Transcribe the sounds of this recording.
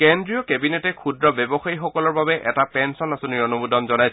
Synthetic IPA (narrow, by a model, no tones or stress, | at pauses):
kɛndɹijɔkɛbinetɛkʰudɹɔbɛbɔxajixɔkɔlɔɹbabɛʔɛtapɛnsɔnasɔniɔnubudɔmzɔnajs